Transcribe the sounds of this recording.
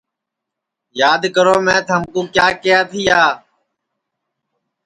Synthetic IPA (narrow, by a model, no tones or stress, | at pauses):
jaːd̪kəɾoːmɛ̃ːt̪ʰəmkũːkjaːkɪjaːt̪ʰiːaː